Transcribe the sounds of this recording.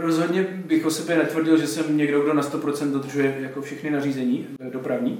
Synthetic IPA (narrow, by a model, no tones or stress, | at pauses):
ɾo̞zɦo̞dɲɛbɪxʔosɛbɛnat̪vr̩ɟɪlʒɛsɛmɲɛɡdo̞ɡdo̞nast̪o̞pɾo̞t͡sɛnt̪do̞d̪r̩ʒujɛjakofʃɛxnɪnariːzɛɲiː | do̞pɾavɲiː